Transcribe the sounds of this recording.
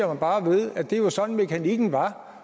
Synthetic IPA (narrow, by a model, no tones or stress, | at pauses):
ɐmænb̥ɑ̈ːʋe̝ð̞ˠæd̥e̝ʋɑsɒ̽nn̩me̝kʰæniɡ̥n̩ʋɑ̈